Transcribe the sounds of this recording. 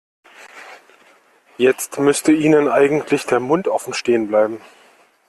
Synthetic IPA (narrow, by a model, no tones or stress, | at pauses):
jɛt͡stmʏstəʔiːnənʔaɪɡŋ̩tʰlɪçd̥eːɐmʊntʔɔfn̩ʃteːənblaɪbm̩